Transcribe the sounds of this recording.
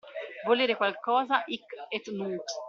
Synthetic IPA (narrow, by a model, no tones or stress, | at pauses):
voliːɾekwalkɔːzaʔikɛt̪nuːt̪